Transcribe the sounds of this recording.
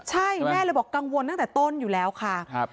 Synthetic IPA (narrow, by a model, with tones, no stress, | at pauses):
t͡ɕʰa˥˩jmɛː˥˩la˧jbɔː˨˩kːa˧ŋwo˧nt̪a˥˩ŋ˩t̪ɛː˨˩t̪o˥˩njuː˨˩lɛː˦˥wkʰa˥˩ʔ